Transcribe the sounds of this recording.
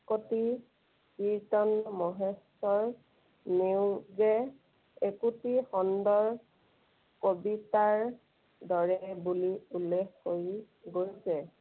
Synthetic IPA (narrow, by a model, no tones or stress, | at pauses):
koti | kiɹtɔnmɔɦesɔɹ | newɡɛ | ekutixɔndɔɹ | kobitaɹ | dɔɹɛbuliulːekhoj | ɡoɹisɛ